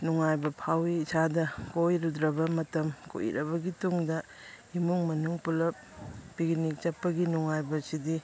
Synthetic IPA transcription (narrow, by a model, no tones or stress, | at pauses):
nuŋajbɐpʰawiːsadɐkojɾudɾɐbɐmɐtɐmko̰ʔḭɾʔɐbɐɡituŋdɐ | imuŋmɐnuŋpulɐp̚ː | iɡnik̚t͡ʃɐpːɐɡinuŋajbɐsidi